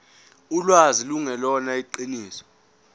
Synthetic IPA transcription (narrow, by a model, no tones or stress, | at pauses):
ulwaziluŋɛlɔnaiǃiniːsɔ̥